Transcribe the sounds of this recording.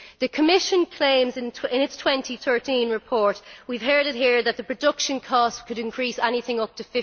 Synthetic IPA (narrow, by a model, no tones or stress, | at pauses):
ðəkʰəmɪʃə̃nkʰl̥ẽɪ̃mzɪ̃nʰɪ̃nɪtstʰw̥ɛ̃ntʰiθɜ˞tĩnɹɪpʰɔɹʔwiv̥ɦɜ˞ɾɪt̚ɦiɹðət̪̚ðəpʰɹ̥ədʊkʃə̃nkʰɔstkʰəɾɪ̃nkʰɹ̥isɛniθɪ̃ŋʊp̚tʰəfɪ